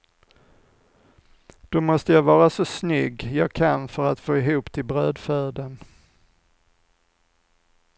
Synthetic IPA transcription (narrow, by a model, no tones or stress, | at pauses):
d̪̥ɔmɔst̪əjavɑːɾasɔsnʏɡːjɑːɡkʰanfœɾat̪foːɪɦuːpt̪ʰɪlbɾøːd̪fœːd̪ən